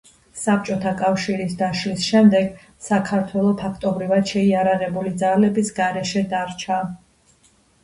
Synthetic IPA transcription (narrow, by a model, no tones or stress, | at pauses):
sap̚t͡ʃʼɔt̪ʰakʼafʃiɾisd̪aʃlisʃɛmd̪ɛɡ | sakʰaɾt̪ʰwɛlˠɔpʰakʰt̪ʼɔbɾivad̪̥ʃɛiaɾaʁɛbulid̪zalɛbisɡaɾɛʃɛd̪aɾt͡ʃʰa